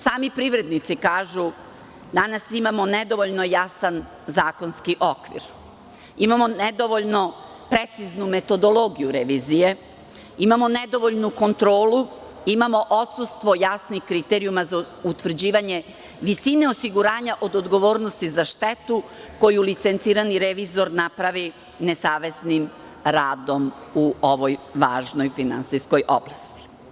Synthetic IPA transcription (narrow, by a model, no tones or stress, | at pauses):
saːmipɾiʋɾe̞d̪nit̪sikaːʒu | d̪anasimamo̞ned̪o̞ʋoʎno̞jasan | zaːko̞nskiʔo̞kʋḭɾ | imamoned̪o̞ʋo̞ʎno̞ | pɾe̞t̪siznume̞t̪o̞d̪o̞lˠo̞ɡijuɾeʋiːzije̞ | imamo̞ned̪o̞ʋoʎnuko̞nt̪ɾo̞ːlu | imamo̞ʔo̞t̪sust̪ʋo̞jasnixkɾit̪eɾijumaza | ut̪ʋr̩d͡ʑiːʋaɲe̞ | ʋisine̞o̞siɡuɾaːɲaʔo̞d̪od̪ɡo̞ʋo̞ːɾnost̪izaʃt̪e̞t̪uko̞julit̪sent̪siːɾaniɾeʋizo̞ɾnapɾaʋi | ne̞saːʋe̞snim | ɾaːd̪o̞muo̞ʋojʋa̰ːʒno̞jfina̰nsisko̞jʔo̞̰blˠast̪i̥